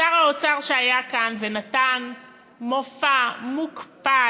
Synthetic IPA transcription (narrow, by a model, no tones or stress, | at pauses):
aʁaot͡saʁʃeajakanvenatan | mofamukpa